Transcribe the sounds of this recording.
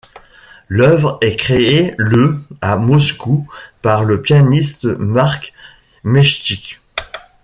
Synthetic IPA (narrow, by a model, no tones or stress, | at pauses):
lœvʁɛkχeeləamɔskupaʁləpjanist̪maʁk | mɛʃt̪ik